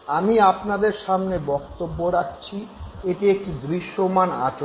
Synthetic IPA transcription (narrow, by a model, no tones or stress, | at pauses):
amiapnad̪eɾʃamnebɔkt̪obːoɾak̚ʰt͡ɕʰieʈiek̚ʈid̪ɾiʃːomana̰ʈ